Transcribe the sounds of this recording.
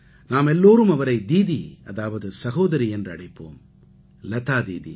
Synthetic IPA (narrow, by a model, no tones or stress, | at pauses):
naːmɛlːoːɾɯmɐʋɐɾɐɪd̪iːðiɐ̰ðaːʋɐðɯsɐɣoːd̪ɐɾiendrɐɽɐɪpːoːm | lɐt̪aːd̪ḭːðḭ